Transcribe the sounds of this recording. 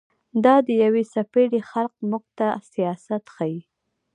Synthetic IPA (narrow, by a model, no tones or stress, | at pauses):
d̪ɑd̪əjawesapeɽexalq̚muɡ̚t̪asijɑsat̪xaji